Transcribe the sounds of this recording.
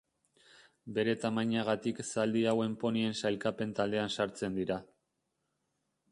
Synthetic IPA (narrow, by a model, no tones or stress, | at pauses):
be̞ɾe̞t̪amajɲaɣ̞at̪iksald̪iawe̞mpo̞nie̞nsajlkape̞nt̪ald̪e̞ansaɾt͡se̞nd̪iɾa